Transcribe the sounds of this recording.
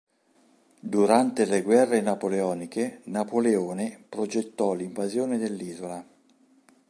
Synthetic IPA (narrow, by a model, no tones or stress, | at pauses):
d̪uɾant̪eleɡwɛrːenapoleɔːnikenapoleoːnepɾod͡ʒet̪ːɔliɱvazjoːned̪elːiːzola